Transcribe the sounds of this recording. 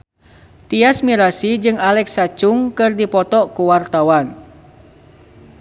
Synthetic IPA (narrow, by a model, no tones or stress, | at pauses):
t̪iasmiɾasid͡ʒɨŋalɛksat͡ʃuŋkɨrdipɔt̪ɔʔkuwart̪awan